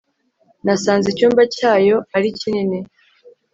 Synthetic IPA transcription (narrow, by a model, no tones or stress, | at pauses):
nasaːnzicuːmbacaːjo̞aɾicinine